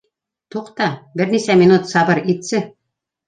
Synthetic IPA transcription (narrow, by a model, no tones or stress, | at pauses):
t̪uqt̪ɑbɘ̆ɾʲnisæmʲinut̪sɑbɤɾit̪sɘ